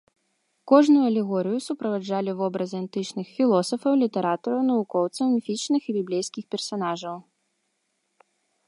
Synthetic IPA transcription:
kɔʐnujuɐlʲɛɣɔɾɨjusupɾɐvad͡ʐalʲivɔbɾɐzʲant̪ɨt͡ʂnɨxfʲilˠɔsɐfɐwlʲit̪ɛɾat̪ɐɾɐwnɐvukɔwt̪sɐwmʲifʲit͡ʂnɨxibʲiblʲejskʲixpʲɛrsan̪aʐɐw

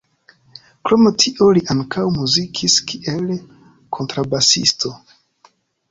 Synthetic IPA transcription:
kɾo̞metʰiʔo̞liʔaŋkʰawmuzikʰiskiʔel | kʰo̞ntɾabasḭsto

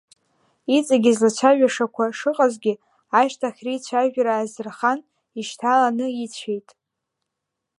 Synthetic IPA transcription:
it͡sʼaɡʲizlat͡ʃʷʰaʒᶣaʂakʷʰaʂɨqʼazɡʲɪ | aʃtʰaχʲrit͡ɕʷʰaʒᶣɾaːzɨrχan | iʃtʰalanɨit͡ɕʷʰejtʼ

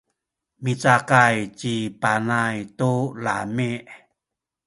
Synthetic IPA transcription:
mit͡sakajt͡ɕipanajtulamiʔ

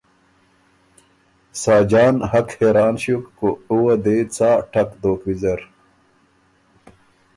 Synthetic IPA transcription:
saːd͡ʑaːnhɐkheːɾaːnɕukkuuwɐd̪eːt͡saːʈʰɐkd̪oːkwizɐɾ

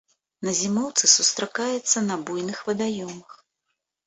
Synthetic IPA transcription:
nɐzʲimɔwt̪sɨsust̪ɾakajɛt̪sːɐnɐbujnɨxvɐd̪ajɔmɐx

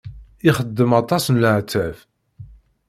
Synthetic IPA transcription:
iχəd̪ːəmɑt̪ˤɑsənləʕt͡s̪ːæf

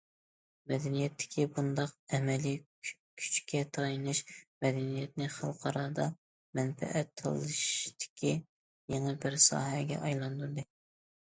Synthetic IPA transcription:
mɛd̪ɛnijɛt̪ʰːɪ̥kʲʰibund̪ɑqɛmɛli | kʲʰy̥t͡ʃkʲʰɛt̪ʰɑjinɨʃmɛd̪ɛnijɛt̪̚nɪχɑlˠqʰɑɾɑːd̪ɑ | mɛnfɛ̰ʔɛt̪ʰːɑ̰lˠɨʃt̪ʰɪ̥kʲʰi | jeŋɨbɪɾsɑ̰ːɦɛɡʲɛ̰ʔɑjlˠɑnd̪uɾd̪ɨ

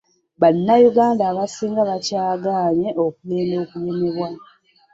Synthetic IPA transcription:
βanːajuɡaːndaːβasiːŋɡaβacaːɡaːɲeʔo̞kuleːmndo̞ːkuje̞me̞βwa

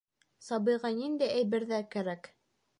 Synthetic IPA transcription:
sɑbɤ̆jʁɑnind̪æjæjβɘ̆ɾðækæɾæk

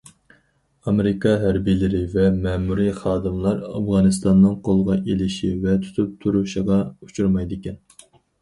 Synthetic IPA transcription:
ɑmɪɾɪkʰɑɦæɾbijlɪɾɪvɛmɛmuɾiχɑːd̪ɨmlˠɑɾɑ̰fʁɑːnɨst̪ɑnːɨŋqʰolˠəʁɑʔelɪʃivɛt̪ʰu̥t̪ʰup̚t̪ʰuɾuʃəʁɑut͡ʃʰuɾmɑjd̪ɪkʲɛn

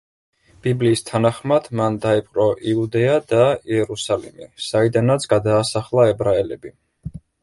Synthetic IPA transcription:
b̥ibliːst̪ʰanaχmad̪̥mand̪aipʼqʼɾɔʔiud̪ɛad̪aiɛɾusalḭmisaid̪anat̪sʰɡ̥ad̪aːsaχlˠaɛbɾaɛlɛbi

